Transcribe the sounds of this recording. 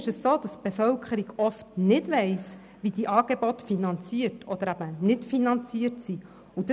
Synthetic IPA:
ʃəsːoːd̥̪ɑst̚b̥efœwkʰəɾiɡɔftnɪdʋɛɪs | ʋid̥̪iʔɑːɡ̥ebɔt̪finɑnt͡siəɾtʰɔd̪əɾæb̥ənɪtfinɑnt͡siəɾtsi | ud̥ə

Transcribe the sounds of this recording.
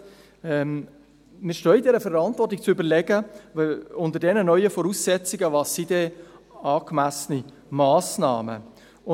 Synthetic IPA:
ɛm | mɪːɾʃtoːidɛɾəfɛɾɑntvɔrtɪk̚t͡sybəɾlɛɡə | ʊntəɾdɛnənœʏəfɔɾuːsːɛt͡sɪɡəvɑsːidɛɑːkmæsəni | mɑːsna̰ːmə̰ | ʊ

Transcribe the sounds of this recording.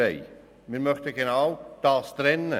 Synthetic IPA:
ɛɪ | miːɾmœχt̪əɡ̥enawd̪̥ɑːst̪ɾɛnːə

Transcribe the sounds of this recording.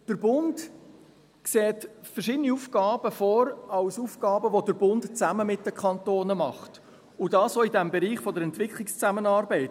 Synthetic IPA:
d̥əɾbʊnd | kseːtfəɾʃɪdəniuːfɡ̥ɑːb̥əfɔːɾɑʊsufɡ̥ɑːbəʋodəɾbʊntt͡sæməmɪt̚d̥əkʰɑntoːnəmɑχt | ʊdɑːsoidɛmbɛɾiːχfɔdəɾɛntvɪkχlɪkst͡sæmənɑːɾbɛɪt

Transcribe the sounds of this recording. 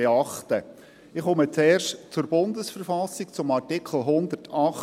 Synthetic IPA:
eɑχtə | ɪχɔmət͡sɛːrʃtt͡sʊɾb̥ʊnd̪əsfəɾfɑsik̚t͡sʊmɑrtɪkʰχl̩ˠɦʊnd̪ərtʰɑχ

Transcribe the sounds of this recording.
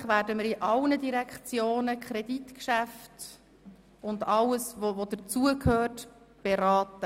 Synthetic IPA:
χvæːɾdəmɪɾiʔɑlnədiɾɛkχt͡sjoːnəkʰɾɛditkʃæft | ʊndɑləsvovod̥ət͡suəkʰhøːt | b̥eɾɑːtə

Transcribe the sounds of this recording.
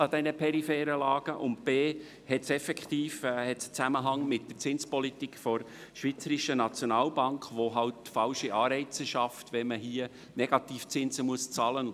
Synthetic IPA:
ɑd̪ɛnəpʰɛɾifɛːɾəlɑːɡ̥əʔʊnt̚b̥eː | hɛtsɛfɛkχt̪iːfhɛtst͡sæməɦɑŋmɪt̚d̥əɾt͡sɪnspɔlit̪ikfɔɾʃʋiːt͡səɾiʃənɑt͡sjonɑːlbɑŋkχʋoɦɑlt̚ːfɑlʃiʔɑːɾɛɪt͡səʃɑftʋɛməɦiə | nɛɡ̥ɑt̪iːft͡sɪnzəmuəst͡sɑːlən

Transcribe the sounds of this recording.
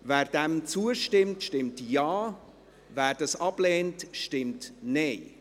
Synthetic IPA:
vɛːɾd̥ɛmt͡suəʃtɪmtʃtɪmtjaː | væːɾdɑsɑb̥lɛːntʃtɪmtneɪ

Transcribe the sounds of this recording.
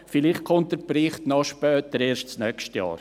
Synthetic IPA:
fɪlɪχt̚kʰɔmt̚dɛɾpɾɪχtnɔʃpœːtəɾeːɾʃtsnœkʃtjɑ̰ːɾ

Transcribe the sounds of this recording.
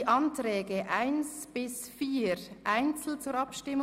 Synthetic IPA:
ʔɑntɾɛːɡəʔaɪnsb̥ɪs | fiːɾʔaɪnt͡sl̩t͡suːɾɑpʃtɪm

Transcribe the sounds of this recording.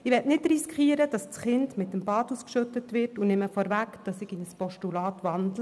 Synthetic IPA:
ɪʋɛtnɪtriskχiəɾəd̥ɑst͡sχɪndmɪtːəmbɑːduːskʃɵtətʋɪrtunɪməfɔɾʋækd̥ɑsɪɡɪnəspɔʃtulɑːtʋɑndlə

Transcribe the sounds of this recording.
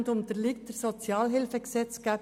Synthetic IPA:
nd̪ʊnt̪əɾlɪktdəɾsɔt͡sjɑːlɦɪlfəɡsɛt͡skæːp

